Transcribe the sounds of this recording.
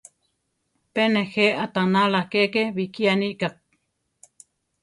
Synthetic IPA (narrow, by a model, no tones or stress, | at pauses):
penexeʔat̪analakeʔkeβikianiʔkak̚